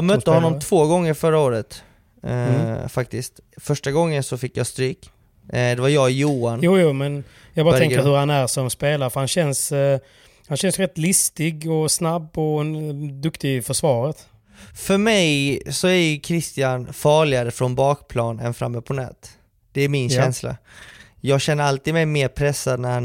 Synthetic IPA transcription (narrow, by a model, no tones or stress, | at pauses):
jɑmœt̪ːəhɔnːɔmt̪ʰvoːɡɔŋːəɾfœɾaoːɾət̪ | fak̚t̪ɪst̪ | fœʂʈaɡɔŋːənsɔfɪkːjɑst̪ɾyːk | d̪ɛvaɾjɑːjuːanjuːjuːmɛn | jɑɡbɑːɾʰɛŋkəɾhɵɾhanæɾsɔmspeːlaɾəfœɾhanɕɛns | hanɕɛnsjɾɛt̪ːlɪst̪ɪɡɔsnabːɔd̪ɵkt̪ɪfœʂvɑːɾət̪ | fœɾmɛjsɔæɾjɵkʰɾɪst̪ɪanfɑːɭɪaɾəfɾɔnbɑːkpʰlɑːnɛ̰nfɾa̰mːəpʰɔnɛ̰ːt̪ | d̪̥ɛæɾmɪnɕɛnsla̰ | jɑːɡɕɛnːəɾalt̪iːd̪mɛjmeːɾpʰɾɛsːad̪̚næɾhan